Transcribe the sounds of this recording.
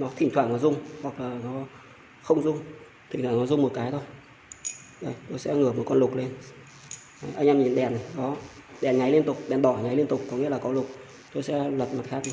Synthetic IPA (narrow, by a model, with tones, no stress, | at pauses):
nɔ˨˦t̪ʰï˧˩ŋ̟t̪waː˧˩ŋnɔ˨˦jzʊ˧ŋ͡mhwa˨˩k̚laː˨˩nɔ˨˦ | xə˧wŋ͡mzʊ˧ŋ͡m | t̪ʰi̟˨˩t̪waː˧˩nɔ˨˦zʊ˧ŋ͡mmo˨˩t̚kaː˨˦jt̪ʰo˧j | ɗə˧˩jt̪o˧jsɛ̰˧˥ŋɨ˧˩əmo˨˩kɔ˧nlʊ˨˩k͡p̚le˧n˨˦ | ʔa˧jŋʔɛː˧mɲḭ˧˩˨nɗɛ˨˩n˨ɗɔ˨˦ɗɛ˨˩nɲa˨˦jli˧ənt̪ʊ˨˩k͡p̚ɗɛ˨˩nɗ̪ɔ˧˩˨ɲa˨˦jli˧ənt̪ʊ˨˩k͡p̚ːɔ˨˦ŋḭ˧˥əlaː˨˩kɔ˨˦lʊ˨˩k͡p̚ | t̪o˧jsɛ̰˧˥lwə˨˩t̚ma˨˩t̚xaː˦˥k̚